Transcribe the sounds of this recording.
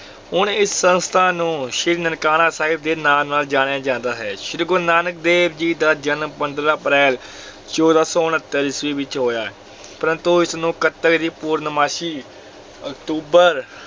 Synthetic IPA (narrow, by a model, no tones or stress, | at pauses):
ɦʊnɪsːənst̪ʰaːnũːʃɪɾnənkaːnaːsaːɦɪb̚d̪eːnaːmnaːld͡ʒaːñeaːd͡ʒãːnd̪aːɦɛːʃɪɾɡʊnaːnək̚d̪eːbd͡ʒiːd̪aːd͡ʒənmpənd̪ɾaːəpɾɛːl | t͡ʃɔːd̪aːsɔːʊnət̪ːəɾɪsʋiːʋɪt͡ʃɦoːjaːɛː | pəɾə̃nt̪uɪsnũːkət̪əkd̪iːpuːɾnmaːʃiː | əkt̪uːbəɾ